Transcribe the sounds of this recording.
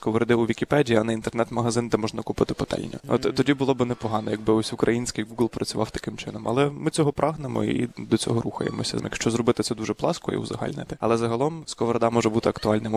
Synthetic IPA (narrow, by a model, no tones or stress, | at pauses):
kɔʋɔɾed̪ɪʊʋʲikʲipɛdʲijiɐnɛint̪ɛrnɛt̪mɐɦɐzɪnd̪ɛmɔʒnɐkupɪt̪ɪ̥pɔt̪ɛ̰lʲnʲʊ̰ɔ̰t̪t̪ːɔdʲibʊlˠɔbɪnɛpɔɦɑnɔjɐɡ̚bɪɔsʲʊkɾʔɐjinʲsʲkɪjɡuɡlˠpɾɐt͡sʲʊʋʔɑ̰wt̪ɐ̥kɪmt͡ʃɪnɔmɐ̰lˠɛmɪt͡sʲɔɦɔpɾʔɑɦnemɔ̰id̪ɔt͡sʲɔ̰ɦɔɾuxɐ̰jḛmɔ̰sʲɐ̰jɐkʃt͡ʃɔzɾɔbɪt̪ɪt̪sɛd̪uʒɛplˠɑskɔḭwzɐ̰ɦɑ̰lʲnɪ̰t̪ɪɐ̰lˠɛzɐɦɐlˠɔmskɔʋɾɐd̪ɑmɔʒɛbut̪ɪɐkt̪ʊɑlʲnɪm